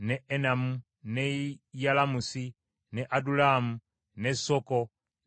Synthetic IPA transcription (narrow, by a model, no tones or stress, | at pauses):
neʔenamu | nejalamusi | neʔadulamu | nesoko